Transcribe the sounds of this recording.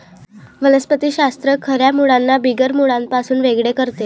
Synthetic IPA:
ʋələspət̪iːɕast̪ɾəkʰəɾjamuɽanːabiɡəɾmuɽãmpasuːnʋeɡɭekəɾt̪e

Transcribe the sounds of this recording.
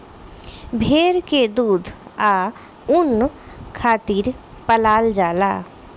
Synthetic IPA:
bʱeːɾked̪uːd̪ʱaː | ʊn | kʰaːt̪iːɾ | pəlaːld͡ʒaːlaː

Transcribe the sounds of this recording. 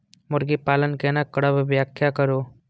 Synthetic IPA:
mʊɾɡipaːlənkeːnakɐɽəbbjaːkʰjakəɾoː

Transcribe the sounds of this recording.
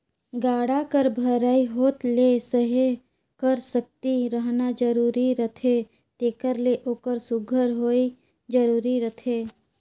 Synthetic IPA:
ɡaːɽakəɾbʱəɾaːiɦoːt̪lesəɦe | kəɾsək̚t̪iɾəɦnad͡ʒəɾuːɾiɾət̪ʰe | t̪eːkəɾleʔoːkəɾsʊɡʱəɾɦoːi | d͡ʒəɾuːɾiɾət̪ʰeː

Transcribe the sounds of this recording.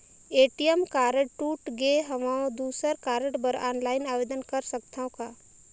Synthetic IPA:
eːʈijəmkaːɾəʈʈuːʈɡeɦəmaõd̪uːsəɾkaːɾəʈbəɾaːnlaːɪnaːʋeːd̪ənkɐɾsəkt̪ʰaõkaː

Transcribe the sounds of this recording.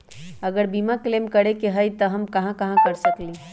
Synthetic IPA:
əɡəɾbimaklemkəɽekeɦəjt̪ɔɦəmkɐɦãkəɦãkəɾsəkli

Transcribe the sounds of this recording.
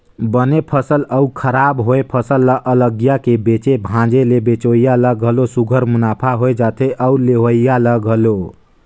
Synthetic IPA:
bənepʰəsələukʰəɾabɦoepʰəsəlːəʔələɡjakebet͡ʃebʱãd͡ʒelebet͡ʃojjaləɡʱəlosuɡʱəɾmunapʰaɦoed͡ʒat̪eʔəuleɦoijaləɡʱəlo

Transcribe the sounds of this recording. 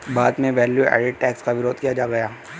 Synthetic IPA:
baːd̪mẽʋɛːljuɛ̰ːɖɪɖ̚ʈɛːkskaʋɪɾoːd̪kijad͡ʒaːɡɐjaː

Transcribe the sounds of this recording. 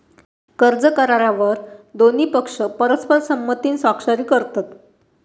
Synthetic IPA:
kəɾd͡zəkaɾaɾaʋəɾd̪on̤iːpəkʂəpəɾəspəɾsəmːət̪iːnsakʂaɾiːkəɾt̪at̪

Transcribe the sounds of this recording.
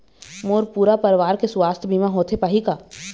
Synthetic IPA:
moːɾpuːɾapəɾʋaːɾkesʊwaːst̪ʰbʱimãɦoːt̪ʰepaːɦikaː

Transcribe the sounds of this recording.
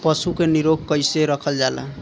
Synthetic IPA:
pʌsukeniɾoɡkʌjseɾʌkʰʌld͡ʒalʌ̰

